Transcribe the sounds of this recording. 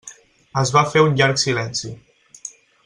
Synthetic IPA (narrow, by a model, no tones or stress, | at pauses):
əzβafeunʎaɾksilɛnsi